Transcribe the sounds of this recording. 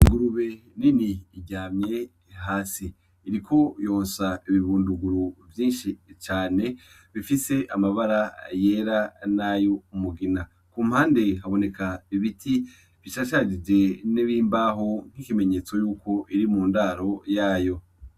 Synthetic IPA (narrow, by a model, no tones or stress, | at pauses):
iŋɡuɾuβe̞ | niniːɟaːmɲe̞ | ɦaːsiː | ɾikʰo̞jo̞ːnsaiβiβuːnduɡuɾuvjiːnʃit͡ʃaːne̞ | βifise̞ʔamaβaɾaje̞ːɾanajo̞umuɡina | kuːmhaːnde̞ɦaβo̞ne̞kaiβitʰi | βiʃaʃad͡ʒid͡ʒe̞niβiːmbaːɦo̞ŋ̥ikime̞ɲe̞ːt͡so̞juːko̞ʔiɾimuːndaːɾo̞jaːjo̞